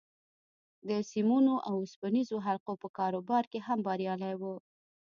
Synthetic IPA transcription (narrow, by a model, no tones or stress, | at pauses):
d̪əsimunoʔawʊspənizoɦalqopəkɑɾobɑɾkeɦambɑɾjɑlajwu